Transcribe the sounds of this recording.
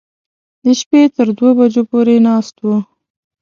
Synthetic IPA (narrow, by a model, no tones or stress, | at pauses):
d̪əʃpet̪əɾd̪wobad͡ʒopoɾenɑst̪wo